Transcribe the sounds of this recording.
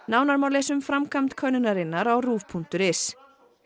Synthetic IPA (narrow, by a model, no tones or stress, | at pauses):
naːwnaɾmawlɛːsʏmfɾamkʰamt̪kʰœɥnʏnaɾɪnːaɾawruːvpʰun̥t̪ʏɾɪs